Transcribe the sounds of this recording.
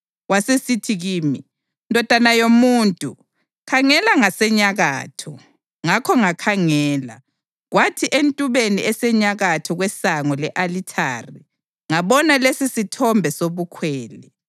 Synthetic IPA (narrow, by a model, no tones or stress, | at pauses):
wasesitʰiɣiːmi | ndʱɔd̥ʱanajomuːntʼu | kʰaŋɛlaŋasɛɲaɣa̰ːtʰɔ | ŋakʰɔŋakʰaŋɛːla̰ | ɣwatʰiʔentʼuβeniɛsɛɲaɣatʰɔɣwɛsaŋɔlɛʔalitʰaːri | ŋaβɔnalesisitʰɔmbʱɛsoβukʰwɛːlɛ